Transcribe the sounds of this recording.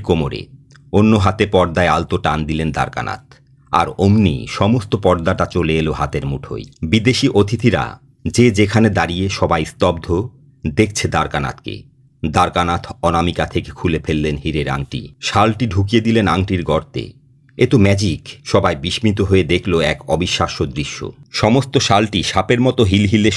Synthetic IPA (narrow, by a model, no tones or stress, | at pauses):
komoɾḛ | onːoɦat̪epɔɾd̪aealt̪oʈand̪ilend̪a̰ɾka̰na̰t̪̚ʰ | a̰ɾomnḭʃɔmost̪opɔɾd̪aʈat͡ɕoleeloɦat̪eɾmuʈʰo̰jbid̪eʃiʔot̪ʰit̪iɾa̰ | d͡ʑed͡ʑekʰaned̪aɾieʃɔbajst̪ɔbd̪ʱo | d̪ek̚ʰt͡ɕʰed̪aɾkana̰t̪kḛ | d̪aɾkanat̪ʰɔnamikat̪ʰeke̥kʰulefelːenɦiɾeɾa̰ŋʈḭʃalʈiɖʱuk̬ijed̪ilenaŋʈiɾɡɔɾt̪ḛ | et̪omɛd͡ʑikʃɔbajbiʃmit̪oɦoed̪ekʰloɛkɔbiʃːaʃod̪ɾiʃːo̰ʃɔmost̪oʃalʈiʃapeɾmɔt̪oɦilɦile